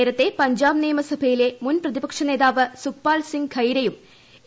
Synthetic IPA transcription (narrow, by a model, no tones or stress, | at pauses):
ɾɐt̪ːe̞pɐɲd͡ʑaːbneːjɐmɐsɐbʱɐjile̞munprɐðibɐkʂɐne̞ːðaːʋɨsupːaːlsiŋɡkʰɐjɾɐjum